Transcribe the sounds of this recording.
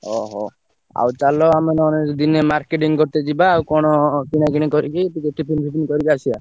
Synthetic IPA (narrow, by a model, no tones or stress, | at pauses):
ɔɦɔ̰ | a̰wt͡ʃalɔamenɔnekɔd̪inemaɾkeʈiŋkɔɾt̪ed͡ʒibaːwkɔɽ̃ɔkinakiɽ̃ikɔɾikipikeʈipʰinbʱipinikɔɾikiasia